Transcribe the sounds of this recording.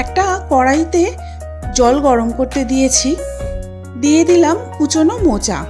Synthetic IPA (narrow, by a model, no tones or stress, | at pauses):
ɛk̚ʈakɔɽajt̪e | d͡ʑɔlɡɔɾomkoɾt̪ed̪ijet͡ɕʰi | d̪ijed̪ilamkut͡ɕʰonomot͡ɕa̰